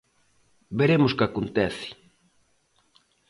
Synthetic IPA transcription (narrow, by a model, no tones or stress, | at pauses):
beɾemʊskakont̪ɛθɪ̥